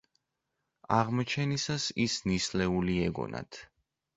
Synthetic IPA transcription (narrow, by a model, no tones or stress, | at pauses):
aʁmɔt͡ʃʰɛnisasisnislɛuliɛɡɔ̰na̰t̪ʰ